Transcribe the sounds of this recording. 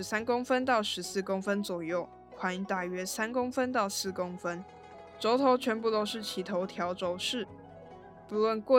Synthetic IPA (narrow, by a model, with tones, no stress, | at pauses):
ɻ̩˧˥sa˥nkʊ˥ŋfə˦nt̪ɑ˥˩ʊʂɻ̩˧˦sɹ̩˥˨kʊ˥ŋfə˦nt͡swɔ˨˩jo˥˨ʊ | kʰwa˧˥ni˧t̪a˥˩ɥɛ˥sa˥nkʊ˥ŋfə˦nt̪ɑ˥˧ʊsɹ̩˥˩ko˥ŋfə˦n | ʈ͡ʂo˧˥ʊt̪ʰo˧˥ʊt͡ɕʰɥɛ˧˥npu˥˩t̪o˥ʊʂɻ̩˥˨t͡ɕʰi˧˥t̪ʰo˧˥ʊt̪ʰjɑ˨˥ʊʈ͡ʂo˧˦ʊʂɻ̩˥˨ | pu˧˥lwə˥˨nkwɔ˥˨